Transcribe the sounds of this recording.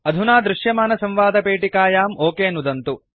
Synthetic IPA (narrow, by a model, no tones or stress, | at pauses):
ɐd̪ʱunaːd̪ɾuʂjɐmaːnɐsɐmʋaːd̪ɐpeːʈikaːjaːmoːkeːnud̪ɐnt̪u